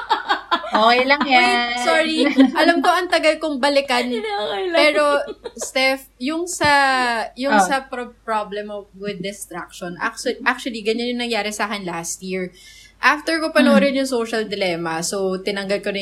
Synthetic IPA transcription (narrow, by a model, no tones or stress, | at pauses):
ʔoːkɛjlɐŋsoːɹiʔɐlɐmko̞ʔɐŋt̪ɐɡɐlkoŋbɐlɪkɐnokɐjlɐpɛːɾost̪ɛfjʊŋsɐjʊŋsɐpɾpɹablɛmowɪd̪ːɪst̪ɾak̚ʃonʔa̰k̚t͡ʃʔak̚t͡ʃʊɐliɡɐɲanjʊŋnɐŋjaːɾɛsaːkɛnlast̪jiːɹ | ʔaft̪ɛɹkopɐnoɾɪnjʊŋsoːʃɐld̪ɪlɛːmɐsot̪ɪnɐŋɡɐlkonɐ